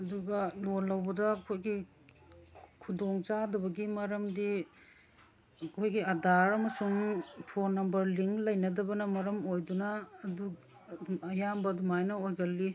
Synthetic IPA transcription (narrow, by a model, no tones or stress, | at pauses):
ɐduɡɐlonlːɐwbɐdɐːkʰojɡi | kʰudoŋt͡ʃadɐbɐɡimɐɾɐmdi | ɐkʰojɡiɐdaɾɐmɐsuŋpʰoɾnɐmbɐɾliŋlɐjnɐdɐbɐnɐmɐɾɐmojdunɐːdu | ɐjambɐdumajnɐojɡɐlːi